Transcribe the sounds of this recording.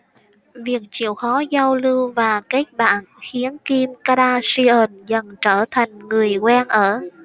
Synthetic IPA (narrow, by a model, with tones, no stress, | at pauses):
vi˨˩ək̚t͡ɕḭ˧˩˨əwxɔ˨˦za˧wlɨ˧wvaː˨˩ka˦˥jk̚ɓa̰ː˧˨nxi˨˦ənki˧mka˧ɗaː˧si˧ʔə˨˩nzə˨˩nt͡ɕəː˧˩t̪ʰa˨˩jŋ̟ŋɨ˨˩əjkwɛ˧nʔəː˧˩